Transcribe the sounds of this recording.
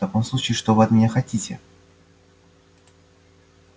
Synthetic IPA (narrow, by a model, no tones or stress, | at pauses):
t̪ɐko̞mslˠut͡ɕɪːʂt̪ovɨɐt̪mʲɪnʲaxɐtʲitʲɪ̰